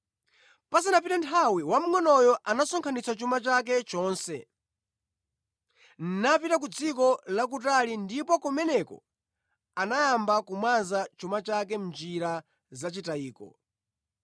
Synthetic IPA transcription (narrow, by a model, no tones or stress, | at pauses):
pas̬anapitantʰawiwam̩ŋɔnɔjɔʔanasɔŋkʰanit͡sat͡ʃumat͡ʃak̬ɛt͡ʃɔːnsɛ̰ | n̩napitak̬ud͡zikɔlak̬utalindipɔkumɛnɛkɔ̰ | anajambakumwanzat͡ʃumat͡ʃak̬ɛm̩nd͡ʒiɾa | zat͡ʃitaiːkɔ̰